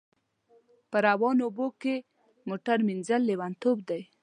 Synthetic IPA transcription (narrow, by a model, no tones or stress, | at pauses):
pəɾawɑnoboke | moʈaɾminzalːewant̪ob̚d̪aj